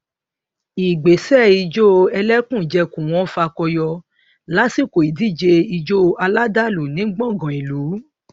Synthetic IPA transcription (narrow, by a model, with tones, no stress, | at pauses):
i˨ɡ͡be˨sɛ˦˨i˧d͡ʒo˦ɛ˧lɛ˦kũ˦˨d͡ʒɛ˧kũ˨w̃ɔ̃˨˦fa˧kɔ˧jɔ˧ | la˨˦si˦˨ko˨i˨di˦˨d͡ʒe˧i˧d͡ʒo˦˧a˧la˦da˦˨lu˨nĩ˨˦ɡ͡bɔ̃˦˨ɡɔ̃˨i˨lu˨˦